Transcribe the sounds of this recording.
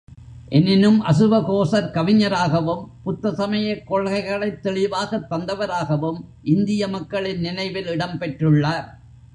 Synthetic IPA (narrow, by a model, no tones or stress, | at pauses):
ʔɛnɪnɯmʔɐsɯʋɐkoːsɐɾkɐʋɪɲɐɾaːɣɐʋɯmpʊt̪ːɐsɐmɐjɐkːɔɭɣɐɪɣɐɭɐɪt̪ːɛɭɪʋaːɣɐt̪ːɐnd̪ɐʋɐɾaːɣɐʋɯmʔɪnd̪ɪjɐmɐkːɐɭɪnnɪnɐɪʋɪlɪɽɐmpɛʈrɯɭːaːɾ